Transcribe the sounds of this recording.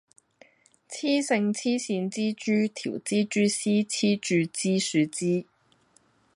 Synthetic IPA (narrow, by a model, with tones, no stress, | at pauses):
t͡sʰiː˥sɪ˧ŋt͡sʰiː˥siː˧nt͡siː˥t͡ʃyː˥t̪ʰiː˨˩wt͡siː˥t͡ʃyː˥siː˥t͡sʰiː˥t͡ʃyː˧t͡siː˥syː˨˧t͡siː˥